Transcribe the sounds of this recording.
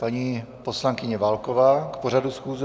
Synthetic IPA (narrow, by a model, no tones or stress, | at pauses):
paɲiː | po̞slaŋkɪɲɛvalkovaːkpo̞ɾ̝adusxuːzɛ